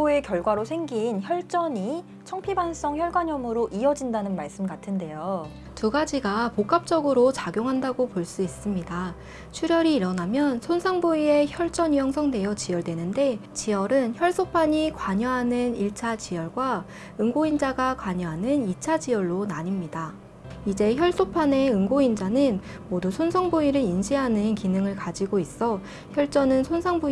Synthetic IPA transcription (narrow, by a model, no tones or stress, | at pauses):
oe̞kjʌɭɡwaɾosʰe̞ŋɡinçjʌɭt͡ɕ͈ʌɲi | t͡ɕʰʌŋpʰibans͈ʌŋçjʌɭɡwaɲʌmɯɾoʔiʌd͡ʑindanɯnmaɭs͈ɯmɡatʰɯnde̞jo | tuɡad͡ʑiɡapok͈ap̚t͡ɕ͈ʌɡɯɾot͡ɕaɡjoŋɦandaɡopoɭs͈uis͈ɯmɲida | t͡ɕʰuɾjʌɾiːɾʌnamjʌnsʰonsʰaŋbuie̞çjʌɭt͡ɕ͈ʌɲijʌŋsʰʌŋde̞jʌt͡ɕijʌɭdwe̞nɯnde̞t͡ɕijʌɾɯnçjʌɭs͈opʰaɲikwaɲʌɦanɯniɭt͡ɕʰat͡ɕijʌɭɡwa | ɯŋɡoind͡ʑaɡakwaɲʌɦanɯnit͡ɕʰad͡ʑijʌɭːonaɲimɲida | id͡ʑe̞çjʌɭs͈opʰane̞ɯŋɡoind͡ʑanɯn | modusʰonsʰʌŋbuiɾɯinɕʰiɦanɯnkinɯŋɯɭkad͡ʑiɡois͈ʌ | çjʌɭt͡ɕ͈ʌnɯnsʰonsʰaŋbu